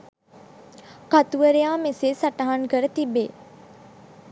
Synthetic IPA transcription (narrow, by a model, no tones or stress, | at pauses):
kat̪uʋəɾejaːmeseːsaʈaɦankəɾət̪ibeː